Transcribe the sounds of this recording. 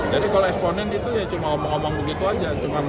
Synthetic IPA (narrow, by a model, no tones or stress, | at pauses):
d͡ʒadikaloɛksponɛnit̪ujat͡ʃumaɔmɔŋomɔŋbəɡit̪uad͡ʒat͡ʃuma